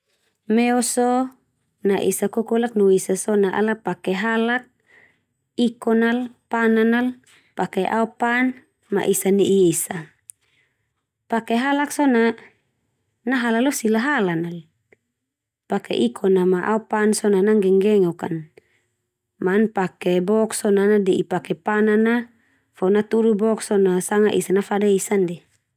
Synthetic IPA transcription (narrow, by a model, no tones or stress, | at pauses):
mɛɔsɔ | naʔḭsakɔkɔlak̚nuisasɔnaʔa̰lapakɛɦalak̚ | ikɔnalpananal | pakeʔa̰upan | ma̰ʔisaniʔiesa | pakeɦalaksɔna | naɦalalɔsilaɦalanal | pakɛ̰ʔikʰɔnamaʔa̰upansɔnanaŋɡɛŋɡɛŋɔka̰n | manpakɛbɔksɔnanadɛʔipakɛpanana | fɔnat̪uɾubɔksɔnasaŋaʔisanafadaisandɛ